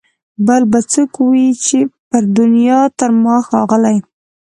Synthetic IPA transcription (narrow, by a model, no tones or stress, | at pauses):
balbat͡səkuwit͡ʃepəɾd̪ʊnjɑt̪əɾmɑxɑɣəlaj